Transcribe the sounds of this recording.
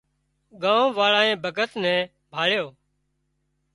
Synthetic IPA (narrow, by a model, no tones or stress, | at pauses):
ɠãːõːʋaːɭaːẽːbʱəɡət̪nɛ̃ː | bʱaːɭjoː